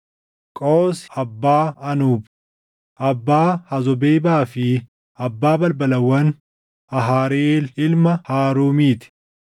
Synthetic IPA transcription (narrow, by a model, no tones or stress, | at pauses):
kʼoːsɐbːaːɐnuːb | ʔɐbːaːhɐzɔbeːbaːfɪ | ɐbːaːbɐlbɐlɐwːɐn | ɐɦaːɾeːlɪlmɐhaːɾuːmiːt̪ɪ̥